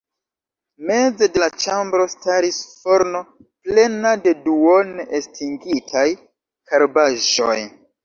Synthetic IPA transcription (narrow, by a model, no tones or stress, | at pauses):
me̞d͡zedelat͡ʃambɾo̞staɾisfo̞ɾno̞ | ple̞nade̞duonestʰiŋɡitʰaj | kʰaɾbaʒo̞̰j